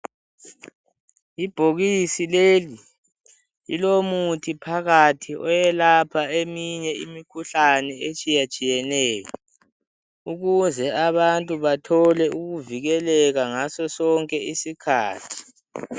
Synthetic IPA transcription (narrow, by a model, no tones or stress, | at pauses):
ib̥ʱoɣisileli | ḭlomutʰipʰaɣatʰiʔɔjɛlapʰaemiɲɛimikʰuɬanɛet͡ʃʼijat͡ʃʼijɛnɛːkɛ | uɣuzɛaβantʼuβatʰɔlɛuɣuviɣɛlɛɣaŋasɔsɔŋkʼɛisikʰaːtʰi̥